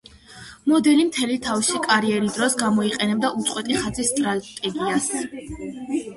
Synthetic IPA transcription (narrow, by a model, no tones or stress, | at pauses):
mɔd̪ɛlimt̪ʰɛlit̪ʰafʃikʼaɾiɛɾid̪ɾɔsɡamɔiqʼɛnɛb̚d̪aʔut̪sʼwɛt̪ʼiχad̪zisːt̪ʼɾat̪ʼɛɡias